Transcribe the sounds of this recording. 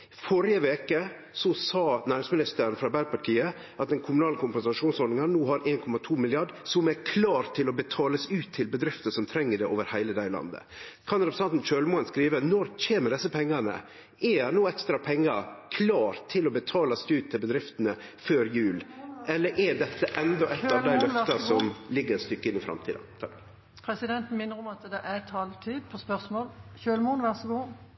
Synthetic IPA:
fɔɾɪəʋeːkə | sɔsɑːnæːɾɪŋsmɪnɪst̪əɾənfɾɑbæɾpɑʈʰiːə | ʔɑt̪̚d̪ɛnkʰʊmʉnɑːləkʰʊmpɛnsɑʂuːnsɔɾɪŋɑnnuːɦɑɾʔeːnkʰɔmɑt̪ʰuːmɪlɪɑɖsɔmæɾkʰlɑːɾt̪ʰːɪlɔbət̪ʰɑːləsʉːt̪ʰːɪlbəd̪ɾɪft̪əsɔmt̪ʰɾɛŋːəɖɛʔoːʋəɾhæɪləd̪æɪlɑ̰nd̪ə̰ | kʰɑnɾɛpɾəsɑnt̪n̩ʃøːlmoːənskɾiːʋənɔɾc͡çeːməd̪ɛsːəpʰɛŋːɑnə̰ | ɛænuːɛkst̪ɾɑpʰɛŋːɑɾkʰlɑːɾt̪ʰːɪlɔbət̪ʰɑːlɑsʉːt̪ʰːɪlbəd̪ɾɪft̪ənəføːɾjʉːlɛlːəɾʔɛd̪ɛt̪ːəʔɛnd̪ɔʔɛt̪ːɑʋd̪æɪlœft̪ɑsɔmlɪɡːəɾɛst̪ʏkːəɪnːɪfɾɑ̰mt̪ʰiːd̪ɑt̪ʰɑk̚d̪ | pʰɾɛsɪd̪ɛnt̪n̩mɪnːəɾɔmɑt̪d̪ɛʔæt̪ʰɑːlt̪ʰiːd̪pʰɔspœʁsmoːlɕøːlmuːnʋæʁsɔɡuː

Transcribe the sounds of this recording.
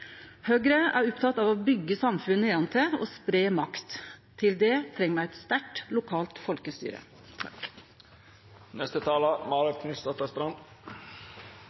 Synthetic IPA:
høːɡɾəʔæ̰ːɾʊpt̪ʰɑt̪ɑːʋoːbʏɡːəsɑmfʉnːəɑnt̪ʰəo̰ːspɾeːmɑkt̪t̪ʰːɪld̪ɛt̪ʰɾɛŋːəmææɪt̪st̪æʈlʊkʰɑːlt̪fɔlkəst̪y̰ːɾə̰ | nɛst̪ət̪ʰɑːləmɑːɾəkʰnɪst̪ɑt̪ɑst̪ɾɑn

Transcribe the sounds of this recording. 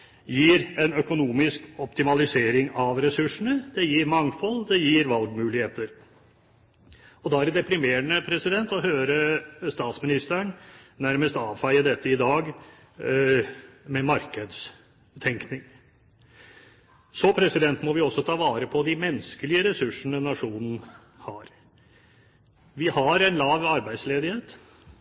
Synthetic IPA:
jiːɾɛnœkʊnuːmɪskɔpt̪ɪmɑlɪseːɾɪŋɑʋɾɛsʉʂːəɳəd̪ɛjiːɾmɑŋfɔlːd̪ɛjiːɾʋɑlɡmʉːlɪheːt̪əɾ | ɔd̪ɑːæɾd̪ɛpɾɪmeːɳəpʰɾɛsɪd̪ɛnt̪ɔɦøːɾəst̪ɑːt̪smɪnɪst̪əɳnæɾməst̪ɑːʋfæɪəd̪ɛt̪ːəɪd̪ɑːɡ | mɛmɑɾkəd̪s | t̪ʰɛŋknɪŋ | sɔpʰɾɛsɪd̪ɛnt̪mɔʋɪɔsːɔt̪ʰɑːʋɑːɾəpʰɔd̪ɪmɛnskəlɪəɾɛsʉʂəɳənɑʂuːnn̩ | hɑːɾ | ʋɪhɑɾæɪnlɑːʋɑɾbæɪd̪sleːd̪ɪheːt̪

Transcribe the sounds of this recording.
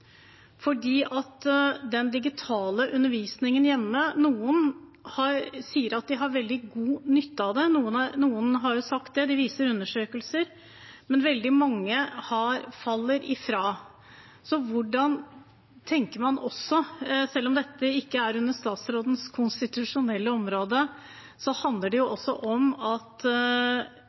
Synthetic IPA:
fɔɖiːʔɑt̪ːd̪ɛnd̪ɪɡɪt̪ʰɑːləʔʉnːəɾʋiːsnɪŋənjɛmːənuːənhɑɾsiːəɾɑt̪̚d̪ɪɦɑɾʋɛld̪ɪɡuːnʏt̪ːəɑʋd̪ɛnuːənɑɾnuːənɦɑɾjʊsɑkt̪̚d̪ɛd̪ɪʋiːsəɾʉnːəʂøːkəlsəɾ | mɛnʋɛld̪ɪmɑŋːəhɑɾfɑlːəɾɪfɾɑː | sɔʋʊɖɑn | t̪ʰɛŋkəɾmɑnɔsːɔsɛlːɔmd̪ɛt̪ːəɪkːəæɾʉnːəʂt̪ɑːt̪sɾoːd̪ən̩skʰʊnst̪ɪt̪ʉʂʊnɛlːəɔmɾoːd̪ə | sɔhɑnd̪ləɖɛjʊʔɔsːɔ̰ʔɔmɑt̪

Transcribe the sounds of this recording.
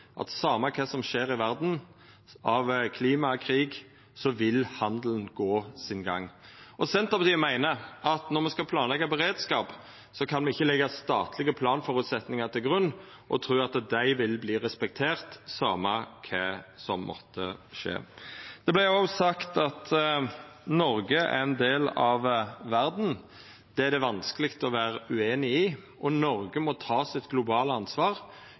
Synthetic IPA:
ʔɑ̰t̪sɑːmɑkʰɛsɔmʃeːɾɪʋæʁd̪n̩ | ɑʋkʰliːmɑkʰʁiːɡ | sɔʋɪlhɑnd̪lənɡoːsɪnɡɑ̰ŋːɔsɛnt̪ɑpɔt̪iːmæɪnəɑt̪nɔʁmɛskɑpʰlɑːnlɛɡɑbɛʁeːd̪skɑːp | sɔkʰɑnmɛɪçːəlɛɡːɑst̪ɑːt̪lɪɡəpʰlɑːnfɔɾʉt̪sɛt̪nɪŋɑt̪ʰɪlɡʁʉnː | ʔɔ̰t̪ʰɾʉːɑt̪d̪æɪʋɪlbliːʁɛspɛk̚t̪ʰeːʁt̪sɑːmɑkʰɛsɔmːʔɔ̰t̪ʰːəʂḛːd̪̥ɛblæɔsɑkt̪ɑt̪ | nɔɾɡəæ̰ɾɛnd̪eːlɑʋʋæɾd̪n̩ | d̪̥ɛæd̪ɛʋɑnskəlɪkt̪ɔʋæːɾəʉeːnɪɪ | ʔɔnɔɾɡəmɔt̪ʰɑːsɪt̪ɡlʊbɑːləɑnsʋɑːʁ

